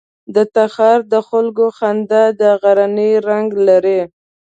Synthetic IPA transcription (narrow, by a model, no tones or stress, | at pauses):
d̪ət̪axɑɾd̪əxʊlɡoxand̪ad̪əɣaɾanəɾaŋɡlaɾe